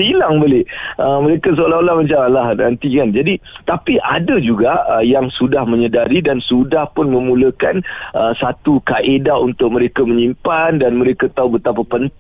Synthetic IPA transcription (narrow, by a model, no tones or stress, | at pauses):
ilaŋbolɪʔəməɾekas̬əolaɦolahmat͡ʃamalaɦnant̪ikand͡ʒadit̪apiʔa̰dəd͡ʒuɡaʔəjaŋsudahmə̃ɲədaɾidansudahpʊnmə̃mũləkanəsat̪ukaʔedaunt̪ʊk̚mə̃ɾekamə̃ɲimpandanmə̃ɾekat̪aubət̪apapənt̪